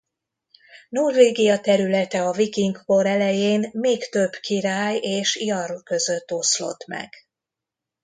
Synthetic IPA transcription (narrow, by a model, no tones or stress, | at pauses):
nulveːɡijɒt̪ɛɾylɛt̪ɛɒvikiŋɡko̞ɾɛlɛjeːnmeːkt̪ø̞bːkiɾaːjeːʃijɒrkø̞zø̞t̪ːo̞slo̞̰t̪mɛ̰ɡ̥